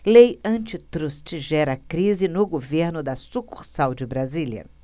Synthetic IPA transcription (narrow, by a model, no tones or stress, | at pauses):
lejɐ̃t͡ʃɪt̪ɾust͡ʃɪʒɛɾɐkɾizɪnʊɡoveɾnʊd̪ɐsukuχsawd͡ʒɪbɾazilɐ̰